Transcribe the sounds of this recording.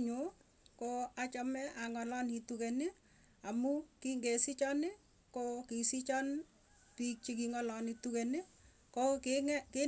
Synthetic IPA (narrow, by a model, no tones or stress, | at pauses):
ɲo | koat͡ʃɔmɛaŋɔlɔnitukeni | amukiŋɡesit͡ʃɔnɪ | kokisit͡ʃɔn | pik̚t͡ʃik̬iŋɔlɔnitukenɪ | kokkɪ